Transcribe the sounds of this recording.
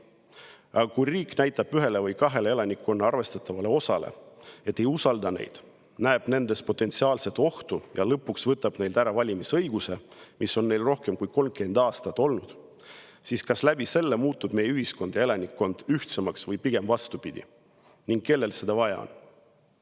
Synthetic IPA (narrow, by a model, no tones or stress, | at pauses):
ɑɡ̥ɑkujriːknæjt̪ːˑɑb̥yɦe̞le̞vɤjkɑɦe̞lee̞lɑnikːˑo̞nːɑɑrve̞st̪ɑt̪ːˑɑvɑle̞o̞sɑle̞̰e̞t̪ːe̞jusɑld̪ɑne̞̰jd̪̥ | næeb̥ne̞nd̪e̞spo̞t̪ːˑe̞nt̪siɑːlse̞t̪ːˑo̞ht̪ujɑlɤpːˑuksvɤt̪ːˑɑb̥ne̞jld̪æɾɑvɑlʲimisɤ̞jɡ̥use̞mʔiso̞nːe̞jlro̞hke̞mkujko̞lmke̞nd̪̥ɑːst̪ɑt̪ːo̞lnud̪̥ | siskɑslæb̥ise̞lːe̞muːt̪ːˑub̥me̞jyhisko̞nd̪̥jɑelɑnikːo̞nd̪̥yht̪semɑksvɤjpiɡ̥e̞mvɑst̪upid̪̥ḭ | niŋɡ̥kːe̞lːe̞lse̞d̪̥ɑvɑjɑ̰o̰n